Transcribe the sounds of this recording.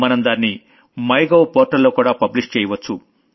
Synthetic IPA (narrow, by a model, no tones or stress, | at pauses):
mɐnɐmd̪aːnːi | mɐjɡowpoːɾʈɐlːoːkuːɽaːpɐbliʂk̚t͡ʃɛːjɐʋɐt͡ʃːu